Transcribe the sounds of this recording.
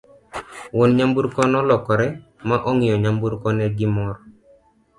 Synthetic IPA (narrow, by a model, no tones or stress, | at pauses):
wonɲambuɾkɔnɔlɔkɔɾɛ | maʔɔŋɪjɔɲambuɾkɔnɛɡɪmɔɾɔ